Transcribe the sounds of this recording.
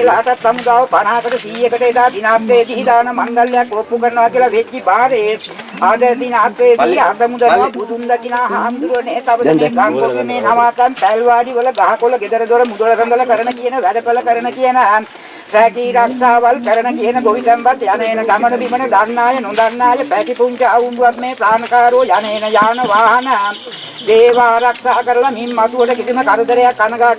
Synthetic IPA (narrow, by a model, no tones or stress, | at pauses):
laːʈat̪samud̪aːʋəpaɳaːkəʈəsiːjəkəʈəet̪aːd̪inaːt̪ːejed̪iːd̪aːnəmand̪alːejakːopːukəɾənəʋakiəlaʋed͡ʒːibaːɾee | ad̪əd̪inaːt̪ʋejed̪iːasəmud̪ənʋabud̪und̪əkinaːɦaːmd̪uɾuʋəneːt̪aʋəd̪əmeːɡ̪aŋkoɾjəmeːnaʋaːt̪æmpæːlʋaːɖiʋələɡ̪aɦakoləɡed̪əɾəd̪oɾəmud̪oləkənɡ̪ələkəɾənəkijənəʋæɖəpələkəɾənəkijənə | sæːkiːɾakʂaːʋalkəɾənəkijənəɡoʋit̪æmʋat̪janəenəɡ̪amənəbiməɳəd̪anːaːjənod̪anːaːjəpæʈipuɲt͡ʃəaʋumbuʋat̪meːpɾaːnɐkaːɾoːjanəenəjaːnəʋaːɦɐnə | d̪eːʋaːɾakʂaːkəɾəlamimːat̪uʋəʈəkit̪unəkaɾɐt̪əɾejakːanɐɡaː